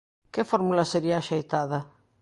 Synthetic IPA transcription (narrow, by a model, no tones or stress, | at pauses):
kɪfɔɾmulaseɾiaːʃejt̪aðɐ